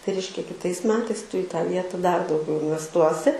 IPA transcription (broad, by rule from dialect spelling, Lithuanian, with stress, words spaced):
tɐɪ ˈrʲɛɪʃʲkʲɛ kʲɪˈtɐɪs ˈmʲæːtɐɪs ˈtʊ ɪ tɑː ˈʋʲiɛtɐ dɐr dɐʊˈɡʲɛʊ ɪnʲʋʲɛsˈtuɔsʲɪ